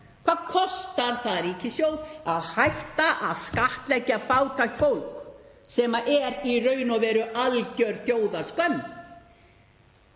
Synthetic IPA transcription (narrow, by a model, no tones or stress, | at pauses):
kʰv̥aːðkʰɔst̪aɾ̥θaðɾiːcɪsjoːwðaðhajht̪aʔaðskaht̪lɛcːafaːwt̪ʰajht̪fowlksɛːmaʔɛɾirœːɥnɔvɛːɾʏʔalcœɾθjoːwðḁskœm